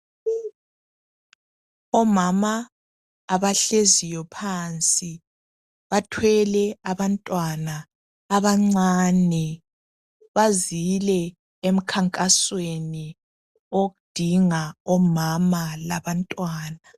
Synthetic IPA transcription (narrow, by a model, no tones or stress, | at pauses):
ɔmamaː | βaɬezijɔpʰaːnt͡sʼi | βatʰwɛlɛaβantʼwanaː | βaŋ͡ǀaːnɛ | βazilɛ | em̩kʰaŋkʼasweni | oɣud̥ʱiŋaɔmamalaβantʼwaːna